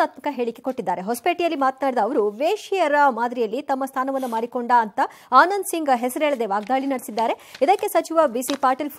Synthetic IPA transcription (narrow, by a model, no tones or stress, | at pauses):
aːt̪mɐkɐɦe̞ːɭikːeko̞ʈːid̪ːaːɾeɦospeːʈijɐlːimaːt̪naːɽid̪ɐːʋɐɾuʋeːʃijɐɾɐmaːd̪ɾijɐlːit̪ɐmːɐst̪ʰaːnɐʋɐnːɐmaːɾikoɳɖaɐnt̪ɐ | aːnɐnsiŋɡɦɛsɐɾeɭɐd̪e̞ʋaːɡ̚d̪aːɭinɐɽsid̪ːaːɾe̞id̪ɐkːe̞sɐt͡ʃiʋɐbisipaːɾʈɐlp